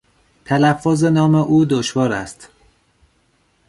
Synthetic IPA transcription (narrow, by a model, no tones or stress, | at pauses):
t̪ʰælæfːozenɒːmeʔuːd̪oʃvɒːɾæ̰st̪